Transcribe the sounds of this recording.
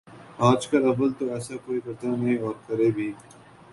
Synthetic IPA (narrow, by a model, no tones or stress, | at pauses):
aːd͡ʒkɐlɐbəlt̪oɛːsakoːibɐɾd̪aːnɐĩɔːɾkɐɾeːbʱiː